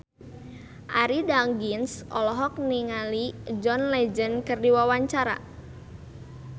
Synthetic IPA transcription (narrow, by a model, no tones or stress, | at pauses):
ʔaɾidaŋɡinsʔɔlɔɦɔk̚niŋalid͡ʒɔnlɛd͡ʒənkərdiwawaɲt͡ʃaɾa̰